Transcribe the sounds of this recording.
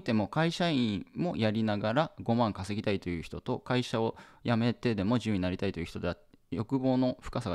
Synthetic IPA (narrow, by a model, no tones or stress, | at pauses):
t̪e̞mo̞kaiɕaĩmo̞jaɾʲinaɡaɾaɡo̞mãŋkase̞ɡʲit̪ait̪o̞jɯ̟ːçi̥t̪o̞t̪o̞kaiɕao̞jame̞t̪e̞d̪e̞mo̞ʑɨːɲ̟inaɾʲit̪ait̪o̞jɯ̟çi̥t̪od̪eatːjo̞kɯ̟bo̞ːno̞ɸɯ̟̥kasaɡ